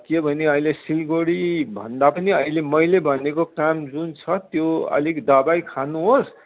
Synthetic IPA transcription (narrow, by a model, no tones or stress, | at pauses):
kebʱʌneʌilesilɡoɽibʱʌ̰nd̪apʌniʌilemʌjlebʱʌnekokamd͡zunt͡sʰʌt̪joʌ̰likd̪ʌbajkʰanuɦos